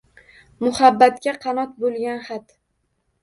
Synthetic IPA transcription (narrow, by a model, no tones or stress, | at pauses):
mʊhabːat̪̚kʲaqʰɑnɒt̪̚bolˠɡʲanhat̪